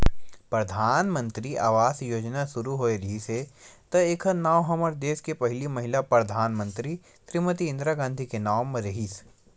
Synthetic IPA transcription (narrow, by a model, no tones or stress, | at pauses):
pɾɐd̪ʱaːnmə̃nt̪ɾiaːʋaːsjoːd͡ʒnasʊɾuɦoːeɾɐɦiset̪ɐeːkʰənaːwɦɐməɾd̪eːskepɐɦɪlimɐɦɪlapɾɐd̪ʱaːnmə̃nt̪ɾi | sɾimət̪iɪ̃nd̪ɾaɡãːnd̪ʱikenaːwmːeɾɐɦis